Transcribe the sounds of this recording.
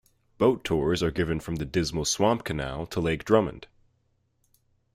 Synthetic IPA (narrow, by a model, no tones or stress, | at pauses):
b̥oʊtʰɔɹzə˞ɡɪvɨ̃nfɹʌ̃mðɨdɪzml̩ˠswɑ̃mp̚kʰɨnæ̰lˠtʰəleɪk̚dɹʌ̃mə̰̃nd̥